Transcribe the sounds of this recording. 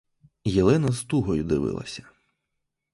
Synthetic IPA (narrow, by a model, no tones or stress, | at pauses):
jilˠɛnɐzt̪uɦɔjʊd̪ɪʋɪ̰lˠɐ̰sʲɐ̥